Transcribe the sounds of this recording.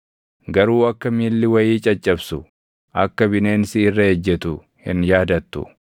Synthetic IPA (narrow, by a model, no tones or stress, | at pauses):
ɡɐɾuːɐkːɐmiːlːɪwɐjiːt͡ʃʼɐt͡ʃʼːɐbsʊ | ʔɐkːɐbɪneːnsɪːrːɐhɛd͡ʒːɛt̪ʊ | hɪ̰njaːd̪ɐt̪ːʊ̰